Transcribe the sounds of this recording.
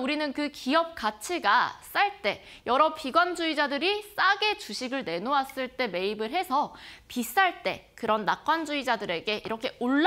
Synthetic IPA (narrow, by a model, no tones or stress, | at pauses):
uɾinɯnkɯkiʌp̚k͈at͡ɕʰiɡa̰s͈aɭt͈e̞jʌɾʌpʰiɡwand͡ʑuid͡ʑadɯɾis͈aɡe̞t͡ɕuɕʰiɡɯɭne̞noas͈ɯɭt͈e̞me̞ibɯɭɦe̞sʰʌpis͈aɭt͈e̞kɯɾʌnːak̚k͈wand͡ʑuid͡ʑadɯɾe̞ɡe̞ʔiɾʌkʰe̞oɭː